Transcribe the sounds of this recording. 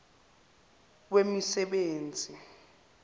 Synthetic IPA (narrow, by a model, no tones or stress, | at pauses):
wemisɛɓeːnd͡zʱi